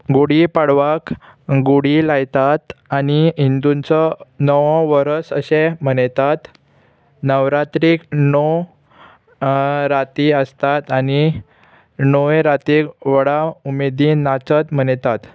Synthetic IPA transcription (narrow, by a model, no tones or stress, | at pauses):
ɡoɽipaɽʋakɡuɽilajt̪at̪aniɦind̪unt͡sɔnəʋɔ̃ʋəɾəsəɕem̤ənt̪at̪ | nəʋɾat̪ɾiknɔ | ɾat̪iəst̪at̪ani | nɔʋeɾat̪iʋəɽaumed̪inat͡sət̪m̤əɳt̪at̪